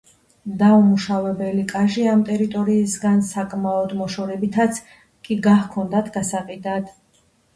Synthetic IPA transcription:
d̪aumuʃavɛbɛlikʼaʒiamt̪ʼɛɾit̪ʼɔɾiːsɡansakʼmaɔd̪mɔʃɔɾɛbit̪ʰat̪sʰ | kʼiɡahkʰɔnd̪at̪ʰɡasaqʼid̪ad̪̥

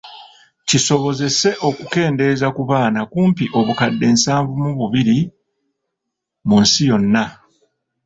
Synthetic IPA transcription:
ciso̞βo̞ze̞se̞ʔo̞kuke̞ːnde̞zakuβaːnakuːmpiʔo̞βukadːe̞ːnsaːɱvumuβuβiɾi | munsijo̞nːa

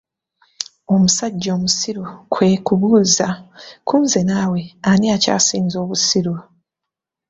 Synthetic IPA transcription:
o̞musaɟːo̞ːmusiɾukʰwe̞ːkuβuːzakʰuːnze̞naːweaniaca̰ːsiːnzo̞ːβusiɾu

